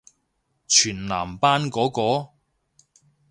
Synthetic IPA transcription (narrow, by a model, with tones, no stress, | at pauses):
t͡ʃʰyː˨˩nla̰ː˨˩mpaː˥nkɔː˨˥kɔː˨˧